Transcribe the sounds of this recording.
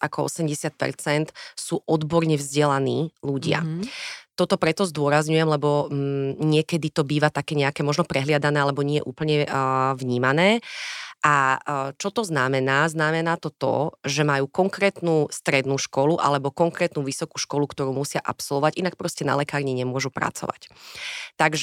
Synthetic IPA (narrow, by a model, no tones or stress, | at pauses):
ʔakɔɔ̰sɛmɟɛsɪat̪̚pɛ̰ɾt͡sɛnt̪suːʔɔd̪bɔɾɲɛvzɟɛlaniːluɟɪa̰t̪ɔt̪ɔpɾɛt̪ɔzd̪ʊɔɾazɲujɛmlɛbɔ | ɲɪɛkɛd̪it̪ɔbiːʋat̪akɛːɲɛakɛːmɔʒnɔpɾɛɦlɪad̪anɛːalɛbɔɲɪɛjɛ̰ʔuːpl̩ɲɛʋɲiːmanɛːʔat͡ʃɔt̪ɔznamɛnaːznamɛnaːt̪ɔt̪ɔ̰ʒɛmajuːkɔŋkɾɛːt̪nuːst̪ɾɛd̪nuːʃkɔluʔa̰lɛbɔkɔŋkɾɛːt̪nuːʋisɔkuːʃkɔlukt̪ɔɾuːmusɪaʔa̰psɔlˠʋɔʋacinak̚pɾɔscɛna̰lɛkaːɾɲiɲɛmʊɔʒupɾa̰t͡sɔ̰ʋa̰ct̪aɡʒɛ